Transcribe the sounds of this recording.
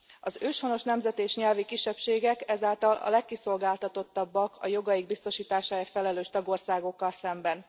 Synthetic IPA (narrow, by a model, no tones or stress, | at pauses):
ɒzøːʃhono̞ʃnɛmzɛt̪eːʃɲɛlvikiʃːɛpʃeːɡɛkɛzaːlt̪ɒlʔɒ̰lɛkːiso̞lɡaːlt̪ɒt̪o̞t̪ːɒbːɒkʰɒjo̞ɡɒjiɡ̚bist̪o̞ʃiːt̪aːʃaːeːrfɛlɛløːʃt̪ɒɡo̞rsaːɡo̞kːɒlsɛmbɛn